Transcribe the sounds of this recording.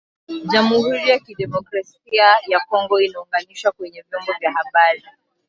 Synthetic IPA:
ʄamuhuɾijakiɗɛmɔkɾas | iajakɔŋɡɔinauŋɡaniʃwakwɛɲɛvjɔmbɔvjahaɓaɾi

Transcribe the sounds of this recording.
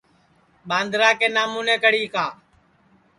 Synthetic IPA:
ɓãːnd̪ɾaːkeːnaːmũːnẽːkəɽiːkaː

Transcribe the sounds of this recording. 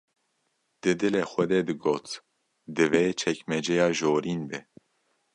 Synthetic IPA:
d̪̥ɨd̪ɨleːxɛd̪ɛd̪ɨɡoːt̪ | d̪ɨveːt͡ʃʰɛkmɛd͡ʒɛjɑːʒoːɾiːnbɛ

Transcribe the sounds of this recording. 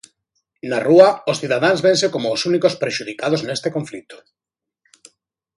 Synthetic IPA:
naruaosθiðaðanzβensekomoːsunikospɾeʃuð̞ikað̞oznest̪ekoɱflit̪o̥

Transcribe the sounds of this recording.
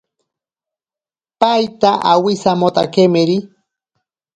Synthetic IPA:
pajt̪aʔa̰wisamot̪a̰kemeɾi

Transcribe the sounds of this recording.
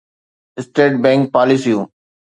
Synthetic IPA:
ɪsʈeːʈ̚bɛ̃ŋk̚paːlisiu

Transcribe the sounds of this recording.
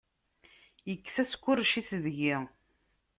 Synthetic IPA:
jəkːsæskʷːʊrʃisðʝi

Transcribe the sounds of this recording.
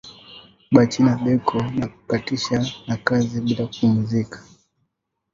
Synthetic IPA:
ɓat͡ʃinaɓɛkʰɔnaku̥katiʃanakaziɓilakuum̩zikḁ

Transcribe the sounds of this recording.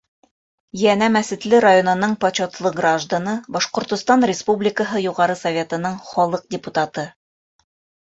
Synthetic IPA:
jænæmæsɘ̆t̪lɘɾajonɤ̆nɤɴpɐt͡ɕot̪lˠɤɡraʒd̪anɤbɒʃqŏɾt̪ŏst̪ɑnrʲɪspublʲɪkəɦɤjuʁɑɾɤsɐvʲe̞t̪ɤ̆nɤɴχɒlˠɤq̚dʲɪput̪at̪ɤ

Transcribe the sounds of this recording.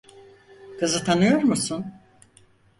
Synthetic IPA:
kʰɯzɯt̪ʰanɯjo̞ɾmusun

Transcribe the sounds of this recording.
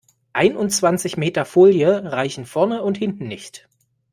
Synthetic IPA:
ʔaɪnʊnt͡sv̥ant͡sɪçmeːtɐfoːljəʁaɪçn̩fɔɐnəʊnthɪntn̩nɪçt

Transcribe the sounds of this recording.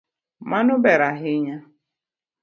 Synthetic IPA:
manʊbeɾaɦɪɲa

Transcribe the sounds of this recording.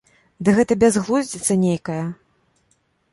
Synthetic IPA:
d̪ɨɣɛt̪ɐbʲazɣlˠuzʲd͡zʲit̪sɐnʲejkɐjɐ

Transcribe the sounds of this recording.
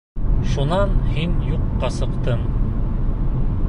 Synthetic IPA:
ʃunɑnhinjuqːɑsɤ̆qt̪ɤm

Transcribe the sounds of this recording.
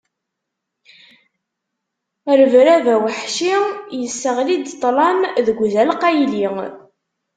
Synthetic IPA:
əɾəvɾævæwəħʃijəsːəʁlid̪t̪ˤːlɑnðəɡʷðælqɑjli

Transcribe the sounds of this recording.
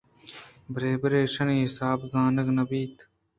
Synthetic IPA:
bɾeːbɾeːʃɐniːɦɪsaːbzaːnɐɡnɐbiːt̪

